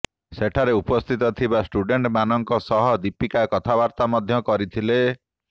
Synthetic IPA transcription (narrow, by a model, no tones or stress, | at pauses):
seʈʰaɾeupɔst̪ʰit̪ɔt̪ʰibasʈuɖeɳʈmanɔŋkɔsɔɦɔd̪ipikakɔt̪ʰabaɾt̪amɔd̪ʱjɔkɔɾit̪ʰile